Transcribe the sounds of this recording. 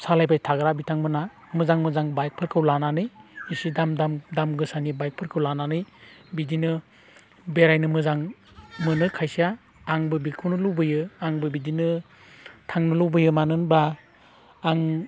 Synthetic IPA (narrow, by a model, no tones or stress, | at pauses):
salajbajtʰaɡɾabitʰaŋbɯna | mɯzaŋmɯzaŋbajk̚pʰɯɾkʰɯwlananɯjisidamdamdamɡɯsanibajk̚pʰɯɾkʰɯwlananɯjbidinɯ | beɾajnɯmɯzaŋ | mɯnɯkʰajsiaː | ŋbɯbikʰuwnɯluwbɯjɯaŋbɯbidinɯ | tʰaŋnɯlɯwbɯjɯmanɯnbaː | ŋ